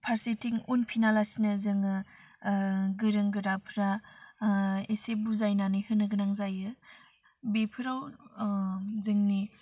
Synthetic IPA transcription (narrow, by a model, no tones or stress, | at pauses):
pʰaɾsitiŋunpʰinalasinɯzɯŋɯ | ɡɯɾɯŋɡɯɾapʰɾa | esebuzajnanihɯnɯɡɯnaŋzajɯ | bepʰɯɾaw | zɯŋni